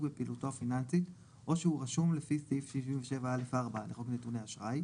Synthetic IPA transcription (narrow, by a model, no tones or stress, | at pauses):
bepiːlutoafinansit | ʔo̞ʃeuʁaʃumlefisifʃiʃimveʃe̞vaelefaːʁbaleχolknetuneaʃʁaj